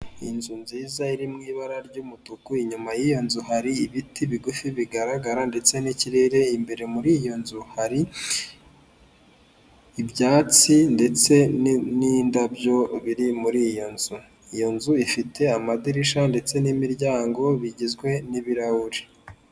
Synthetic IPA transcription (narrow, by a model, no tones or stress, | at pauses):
inzunziːzaiɾimŋiːβaɾaɾɟuːmutukuiɲumajijo̞nzuhaɾiiβitiβiɡufiβiɡaɾaɡaɾande̞t͡se̞niciɾe̞ɾe̞imbe̞ɾe̞muɾijo̞nzuhaɾi | bjaːt͡sinde̞t͡se̞nnindabjo̞βiɾimuɾijo̞nz̥u | ijo̞nzuifitʰe̞amadiɾiʃande̞t͡se̞nimiɾɟaːŋɡo̞βiɟizɡwe̞niβiɾahuɾi